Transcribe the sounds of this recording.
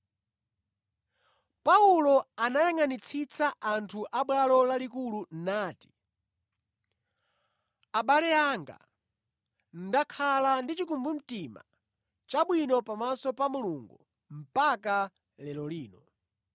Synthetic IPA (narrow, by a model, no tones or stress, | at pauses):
paulɔanajaŋanit͡sʰit͡saʔantʰuʔaɓwalɔlalikulun̩naːti̥ | aɓalɛaŋɡa̰ | n̩dakʰalandit͡ʃikumbum̩tima̰ | t͡ʃaɓwinɔpamasɔpamuluŋɡu | m̩paka | lɛlɔliːnɔ